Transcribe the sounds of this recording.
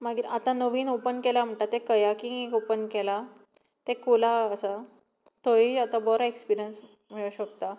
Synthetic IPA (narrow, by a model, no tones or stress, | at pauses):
maɡiat̪ãnəʋiːnopənkɛlam̤əɳʈat̪ekəjakĩekopənkɛla | t̪ekolaəsa | t̪oiat̪abɔɾaekspiɾijəns | m̤iɭəɕəkt̪a